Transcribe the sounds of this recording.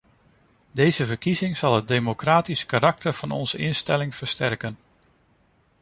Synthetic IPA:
dejzəvəɹkizɪŋz̥ɑlˠɦəd̚dejmokraːtiskaɾɑk̚təɹv̥ɑnɔ̰nz̥əʔɪnstɛlɪŋv̥əɹstɛɹkən

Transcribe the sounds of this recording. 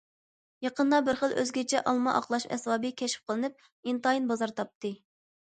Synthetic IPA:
jɑqənd̪ɑbɪɾχəlˠʔø̰zɡʲɛt͡ʃʰɛʔɑlˠmɑʔɑqlˠɑʃɛ̰swɑːbɨkʲʰɛʃp̚qʰəlˠɨnɨp̚ | int̪ɑjinbɑzɑɾt̪ʰɑp̚t̪ɨ

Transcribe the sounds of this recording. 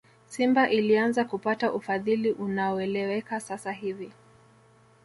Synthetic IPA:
simbaʔilianzakupataʔufaðiliʔunaɔɛlɛwɛkasasaɦivi

